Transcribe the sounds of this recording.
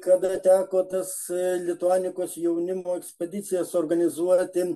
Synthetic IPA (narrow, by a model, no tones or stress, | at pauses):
kɐd̪ɐt̪ʲæːkoːt̪ɐslʲɪt̪ʊɑːnʲɪkoːsjɛʊnʲɪmoːɛksʲpʲɛd̪ʲɪt̪sʲɪjɛsoːɾɡɐnʲɪzuɔt̪ʲɪ